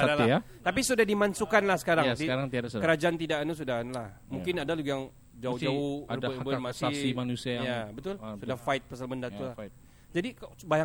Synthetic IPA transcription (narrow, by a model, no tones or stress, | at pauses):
adalaa | t̪apisudahdimansukanlahsə̥kaɾaŋdiaɾaŋt̪iadaskəɾad͡ʒaʔant̪idaʔanus̬udaanulah | muŋkɪnadaluɡjaŋ | d͡ʒaud͡ʒauəbəmasasimanusijabət̪ʊlsudahfaɪt̪̚pəsalməndat̪ulah | d͡ʒadikbaja